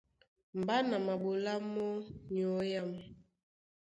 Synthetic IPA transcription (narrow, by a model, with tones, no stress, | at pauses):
m˨ba˦na˨ma˨ɓo˨la˦mɔ˦ɲ˨ɔ˨˦ja˦mɛ˨